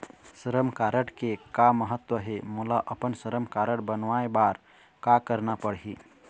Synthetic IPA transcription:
səɾəmkaɾəɽkekaməɦət̪wəɦemulaʔəpənsəɾəmkaɾəɽbənʋaebaɾ | kakəɾnapəɽɦi

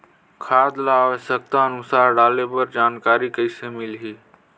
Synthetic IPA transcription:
kʰaːd̪laːʋəʃək̚t̪aənʊsaːɾɖaːlepɐɾd͡ʒaːnkaːɾikəisemɪlɦiː

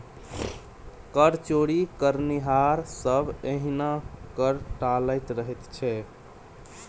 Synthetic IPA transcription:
kəɾt͡ʃoɽikəɾniɦaɾsəbʱeɦinakəɾʈaləjt̪ɾəɦɛt̪t͡ʃʰɛ

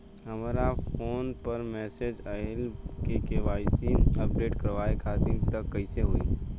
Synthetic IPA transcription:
ɦɐmːɾafoːnpəɾmɛːsed͡ʒəɦɪlkekeʋaːɪsiːnəp̚ɖeːʈkəɾʋaːekʰaːt̪ɪ̃nt̪əkːəɪseɦoḭː

